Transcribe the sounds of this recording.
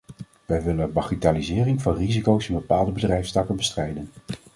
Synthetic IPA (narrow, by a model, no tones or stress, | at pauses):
ʋɛjʋɪlənbɑχitaːlizɪːrɪŋvɑnrizikowsɪnbəpaːlˠdəbədrɛjfstɑkənbəstrɛjdən